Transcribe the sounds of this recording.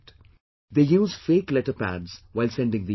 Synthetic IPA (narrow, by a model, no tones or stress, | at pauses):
ʈ | d̪eːjuːzfeːklɛʈəpæ̰ɖz̥ʋaɪlsɛ̃ɳɖɪ̃ŋd̪i